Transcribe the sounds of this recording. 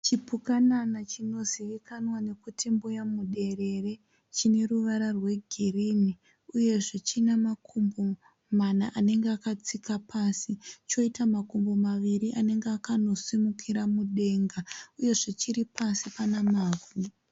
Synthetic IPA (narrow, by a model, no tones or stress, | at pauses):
t͡ʃipukananat͡ʃino̞ziʋikanwane̞kutʰimbujamuɗe̞re̞re̞ | t͡ʃine̞ruʋaɾarwe̞ɡʱirini | uje̞ʐet͡ʃinamakʰumbo̞ | manaʔane̞ŋɡeakat͡sikapʰasit͡ʃo̞itamakumbo̞maʋiɾiʔane̞ŋɡeakano̞simukʰiɾamuɗe̞ŋɡauje̞ʐet͡ʃiɾipasipanamaːɡwi